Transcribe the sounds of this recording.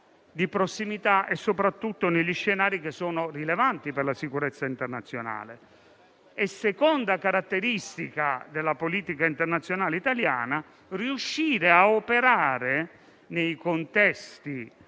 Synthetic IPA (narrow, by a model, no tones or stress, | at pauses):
d̪ipɾosːimit̪aʔesːopɾat̪ːut̪ːoneʎːisʃːenaːɾikesːɔːnorilevant̪iperlasikuɾɛt̪sːaint̪ernat̪sːjona̰ːle | esːekond̪akaɾat̪ːeɾist̪ikad̪elːapoliːt̪ikaint̪ernat̪sjonaːleit̪alja̰ːna | riuʃːiːɾeaopeɾaːɾe | nejkont̪ɛst̪i